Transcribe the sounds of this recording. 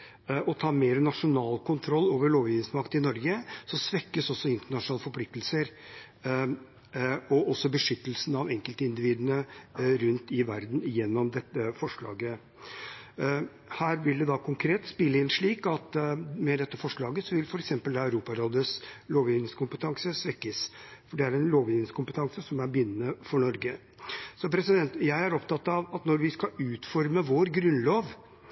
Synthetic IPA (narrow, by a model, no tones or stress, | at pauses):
ɔt̪ʰɑːmeːɾənɑʂʊnɑːlkʰʊnt̪ʰɾɔlːoːʋəɭoːʋjɪʋnɪŋsmɑkt̪ɪnɔɾɡəsɔsʋɛkːəsɔsɔɪnt̪əɳɑʂnɑːləfɔɾpʰlɪk̚t̪əlsəɾ | ɔʔɔsːɔbəʂʏt̪ːəlsn̩ɑʋɛŋkəlt̪əɪnd̪ɪʋiːd̪ənəɾʉnt̪ɪʋæɾd̪n̩jɛnːɔmd̪ɛt̪ːəfɔʂɭɑ̰ːɡə | hæːɾʋɪld̪ɛd̪ɑkʰʊŋkʰɾeːt̪spɪlːəɪnʂɭiːkɑt̪mɛd̪ɛt̪ːəfɔʂɭɑːɡəsɔʋɪlfɔɾɛksɛmpəld̪ɑœʉɾuːpɑɾoːd̪əsloːʋɪʋnɪŋskʊmpət̪ʰɑŋsəsʋɛkːəsfɔɖɛæɾɛnloːʋɪnŋskʰʊmpət̪ʰɑŋsəsɔmæɾbʏnːənəfɔɳɔɾɡə | sɔpʰɾɛsɪd̪ɛnt̪jæɪæɾɔpt̪ɑt̪ːɑʋɑt̪nɔɾʋɪskɑʉːt̪fɔɾməʋoɾɡɾʉnloːʋ